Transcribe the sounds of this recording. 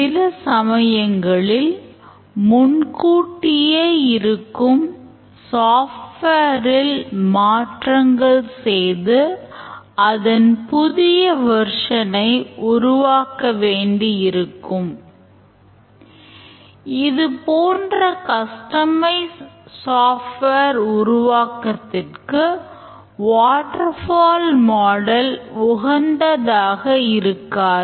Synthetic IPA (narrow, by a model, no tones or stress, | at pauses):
sɪlɐsɐmɐjɐŋɡɐɭɪl | mʊnkuːʈːɪjeːɪɾɯkːɯm | saːfʈʋeːɾɪlmaːʈrɐŋɡɐɭsɛjðɯ | ɐðɐnpʊðɪjɐʋɐɾʂɐnɐɪʔʊɾʊʋaːkɐʋeːɳɖiɪɾɯkːɯm | ɪðɯpoːndrɐkɐsʈɐmɐɪsaːfʈʋeɾʊɾʊʋaːkɐt̪ːɪrkɯ | ʋaːʈɐɾfaːlmaːɽɐlʋʊɣɐnd̪ɐðaːɣɐɪɾɯkːaːɾ